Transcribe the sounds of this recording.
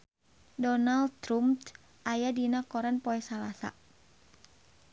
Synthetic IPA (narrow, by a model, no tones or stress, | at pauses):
dɔnald̪̚t̪ɾumt̪ | ʔajadinakɔɾanpɔɛsalasa̰